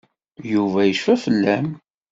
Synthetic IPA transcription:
juvæjəʃfæfəlːæm

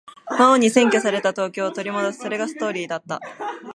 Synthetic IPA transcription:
maoɲ̟isẽ̞ŋkʲo̞saɾe̞t̪at̪o̞ːkʲo̞ːt̪o̞ɾʲimo̞d̪osɨ̥so̞ɾe̞ɡasɨ̥t̪o̞ːɾʲiːd̪at̪ːa

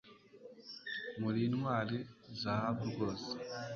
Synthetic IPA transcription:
muɾiːnwaːlezaabuɡoz

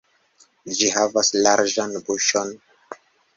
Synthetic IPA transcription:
d͡ʒiɦavaslaɾd͡ʒanbuʃon

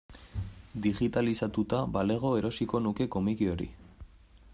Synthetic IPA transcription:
d̪iɣit̪alisat̪ut̪abale̞ɣ̞o̞e̞ɾo̞siko̞nuke̞ko̞mikio̞ɾḭ

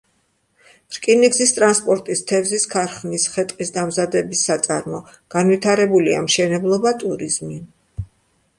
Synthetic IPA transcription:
ɾkʼiniɡzist̪ʼɾanspʼɔɾt̪ʼist̪ʰɛvziskʰaɾχnisχɛt̪ʼqʼisd̪amzad̪ɛbisːat̪sʼaɾmɔ | ɡ̥anvit̪ʰaɾɛbulia̰mʃɛnɛblˠɔbat̪ʼuɾizmi

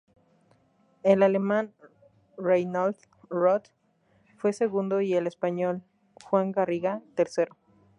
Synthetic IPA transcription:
elale̞mãn | rajnald̪ | rot̪ | fwe̞se̞ɣund̪o̞ie̞le̞spaɲo̞l | xwaŋɡariɣat̪eɾse̞ɾo

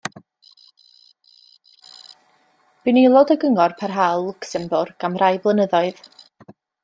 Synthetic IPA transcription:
b̥ɨnilˠɔdəɡəŋɔrpʰarɦalˠːʊksɛmbʊrɡ̥amrʔajblˠənəðɔɨð

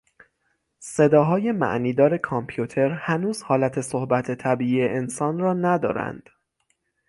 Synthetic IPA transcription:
se̞d̪ɒːɦɒːje̞mæ̰ʔniːd̪ɒːɾe̞kʰɒmpʰjut̪ʰe̞ɾhænuːz̥hɒːlæt̪ʰe̞sohbæt̪ʰe̞t̪ʰæbiːʔiːeʔensɒːnrɒːnæd̪ɒ̰ːɾæ̰nd̪̥

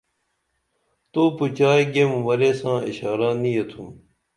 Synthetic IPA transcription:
t̪oːput͡ɕaːiɡemʋəɾeːsãːɪ̰ɕaːɾãːnĩːɐt̪ʰum

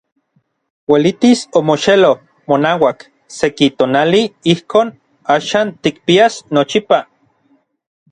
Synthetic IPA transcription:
welit̪isomoʃelo | monaːwak | sekit̪oːnaliihkʰoːn | aːʃaːnt̪ik̚piasnot͡ʃipa

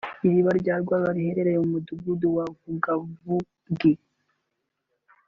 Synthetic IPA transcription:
iɾiβaɾɟaːɾɡwaːβaɾihe̞ɾe̞ɾejeumuduɡuduwavuɡavu | ɡe

